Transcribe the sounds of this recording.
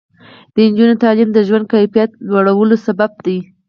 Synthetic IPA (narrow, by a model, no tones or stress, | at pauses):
d̪̥ənd͡ʒunot̪ɑlɪmd̪əʒwand̪̚kajfijat̪lwaɽawəlosabab̚d̪i